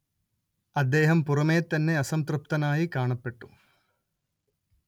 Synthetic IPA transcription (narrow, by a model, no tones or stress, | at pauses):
ɐd̪ːeːɦɐmpurɐmeːt̪ɐnːe̞ɐsɐmt̪rɨp̚t̪ɐnaːjikaːɳɐpːe̞ʈːu̥